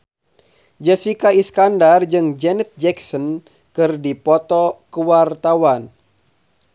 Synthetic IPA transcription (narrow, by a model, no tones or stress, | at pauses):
d͡ʒəsikaiskandard͡ʒɨŋd͡ʒɛnɛt̪̚d͡ʒɛksɔn | kɨrdipɔt̪ɔkəwart̪awan